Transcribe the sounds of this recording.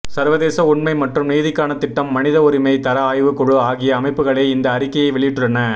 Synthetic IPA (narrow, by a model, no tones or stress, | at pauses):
sɐɾʋɐðeːsɐʊɳmɐɪmɐʈrɯmniːðɪkːaːnɐt̪ːɪʈːɐmːɐnɪðɐɔɾɪmɐɪt̪ɐɾɐaːjʋɯkɔɻɯaːɣɪjɐːmɐɪpːɯɣɐɭeːɪnd̪ɐːɾɪkːɐjɐɪʋɛɭɪjɪʈːɯɭːɐnɐ